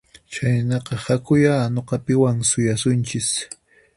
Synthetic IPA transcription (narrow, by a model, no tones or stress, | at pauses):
t͡ʃajnɑqɑhakʊjanoqɑpɪwaŋsʊjasʊnt͡ʃɪs